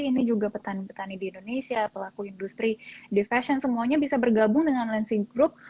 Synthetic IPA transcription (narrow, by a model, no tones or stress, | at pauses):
inid͡ʒuɡapət̪anipət̪anidiːndonesiapəlakuindust̪ɾidifasɔnsəmuaɲabisabərɡabʊŋdəŋanlɛnsiɡɾʊp̚